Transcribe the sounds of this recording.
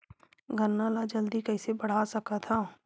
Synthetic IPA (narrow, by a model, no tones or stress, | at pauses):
ɡʱənːalad͡ʒɐld̪ikɐɪsebɐɽ̤asɐkat̪ʰaː